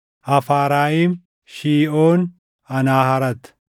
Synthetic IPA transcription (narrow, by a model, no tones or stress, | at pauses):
ʔɐfaːɾaːjiːm | ʃiːʔoːn | ɐnaːɦɐɾɐt̪